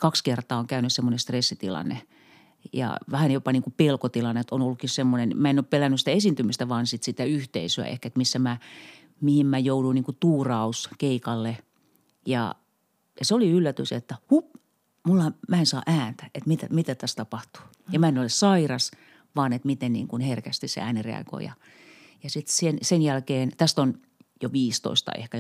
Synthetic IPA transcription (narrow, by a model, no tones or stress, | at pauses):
kɑkskert̪ɑːoŋkæynyssemːonest̪resːit̪ḭlɑ̰nːḛ | jɑ̰ʋæhænjopɑniːŋkupelkot̪ilɑnːet̪onolːukːissemːonenmæenoppelænːysit̪æesint̪ymist̪æʋɑːnsit̪sit̪æyht̪ḛisøæ̰ḛhkæet̪misːæmæ | mihimmæjouduiniŋkut̪uːrɑuskeikɑlːe | jɑ̰ | jɑseoliylːæt̪yset̪ːæhup | mulːɑmæensɑ̰ːʔæːnt̪æ̥et̪mit̪æ̰mit̪æt̪æst̪ɑpɑht̪u̥ | jɑmæenolessɑirɑs | ʋɑːnet̪mit̪ennḭːŋkunherkæst̪isḛæːnirḛɑ̰ɡ̥o̰ijɑ̰ | jɑsit̪sensenjælkeːnt̪æst̪on | joʋiːst̪o̰ist̪ɑ̰ḛhkæ